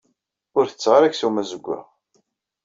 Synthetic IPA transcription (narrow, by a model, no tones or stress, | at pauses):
ʊɾθət͡sːʁaɾæçsumæzəɡʷːa̰